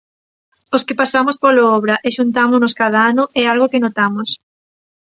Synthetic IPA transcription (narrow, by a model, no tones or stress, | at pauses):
oskɪpasamospoloɔβɾaʔɛʃunt̪amʊnoskaðaanʊʔɛalɣokɪnot̪amos